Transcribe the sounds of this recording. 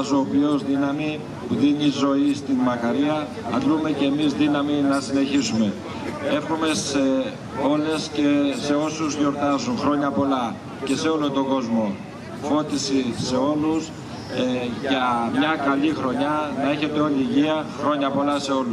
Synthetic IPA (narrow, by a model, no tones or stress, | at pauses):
zoːpio̞zðinɐmi | puðiɲizo̞ist̪inmɐkɐɾiɐ | ɐ̰nɡ̪ɾume̞ceːmizðinɐminɐsine̞çisume̞ | e̞fxume̞se | o̞le̞scese̞o̞suzʝo̞ɾt̪ɐzuŋxɾo̞ɲɐpo̞lɐ | ce̞se̞o̞lot̪o̞ɡo̞zmo̞ | fo̞t̪isise̞o̞lus | ʝɐmɲɐkɐʎixɾo̞ɲɐnɐe̞çe̞t̪e̞o̞liːʝiɐxɾo̞ɲɐpo̞lɐse̞o̞lu